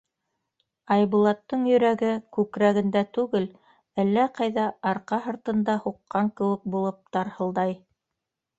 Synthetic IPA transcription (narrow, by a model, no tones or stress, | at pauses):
ɑjβulˠɑt̪ːɤɴjɵ̆ɾæɡɘkʉkɾæɣɘ̆nd̪æt̪ʉɡɘl | ælːæqɑjðɑʔɑɾqɑɦɤ̆ɾt̪ɤ̆nd̪ɑhuqːɑŋkɘ̆wɘk̚bulˠɤp̚t̪ɑɾhɤ̆lˠd̪ɑj